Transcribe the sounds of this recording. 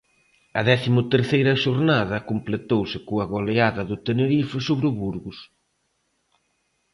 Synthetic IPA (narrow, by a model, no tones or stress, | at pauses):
ɐðɛθimʊt̪eɾθejɾɐʃoɾnaðɐkomplet̪owsɪkoɐɣoleaðɐðʊt̪eneɾifɪsoβɾʊβuɾɣʊs